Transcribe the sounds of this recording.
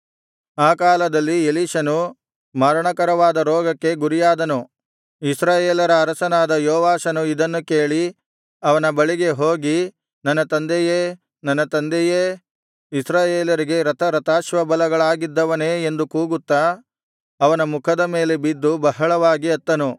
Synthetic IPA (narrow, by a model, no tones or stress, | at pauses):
aːkaːlɐd̪ɐlːieliːʃɐnu | maːɾɐɳɐkɐɾɐʋaːd̪ɐɾɔːɡɐkːe̞ɡuɾijaːd̪ɐnu | isɾaːjeːlɐɾɐːɾɐsɐnaːd̪ɐjɔːʋaːʃɐnuid̪ɐnːuke̞ːɭi | ɐʋɐnɐbɐɭiɡe̞ɦoːɡi | nɐnːɐt̪ɐnd̪ejeː | nɐnːɐt̪ɐnd̪eje | isɾaːjeːlɐɾiɡe̞ɾɐt̪ʰɐɾɐt̪aːʃʋɐbɐlɐɡɐɭaːɡid̪ːɐʋɐneːend̪ukuːɡut̪ːa | ɐʋɐnɐmukʰɐd̪ɐme̞ːle̞bid̪ːubɐɦɐɭɐʋaːɡiɐt̪ːɐnu